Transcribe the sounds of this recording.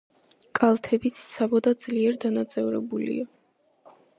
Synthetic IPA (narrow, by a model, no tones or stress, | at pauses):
kʼalˠt̪ʰɛbit̪sʰt̪sʰabɔd̪ad̪zliɛɾd̪anat̪sʼɛvɾɛ̰bulḭa